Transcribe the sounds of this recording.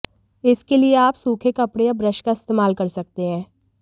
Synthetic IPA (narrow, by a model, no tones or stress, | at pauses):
ɪskelieaːpsuːkʰekɐpɽejabɾəʃkaɪst̪eːmaːlkɐɾsɐk̚t̪eɦɛ̃ː